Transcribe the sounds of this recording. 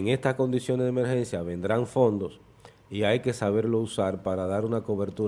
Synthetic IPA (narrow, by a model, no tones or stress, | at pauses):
ŋe̞st̪asko̞nd̪isjonezðeme̞ɾxe̞nsjaβẽ̞nd̪ɾaɱfo̞nd̪o̞s | iajke̞saβe̞ɾlo̞usaɾpaɾaðaɾunako̞βe̞ɾt̪uɾ